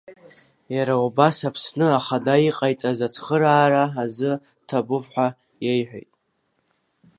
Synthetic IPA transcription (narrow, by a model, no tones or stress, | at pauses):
jaɾaubasapʰsnɨaχadaiqʼajt͡sʼazat͡sʰχəɾaːɾaazɨ | tʰabʊpħʷa | je̞jħʷᶣḛjtʼ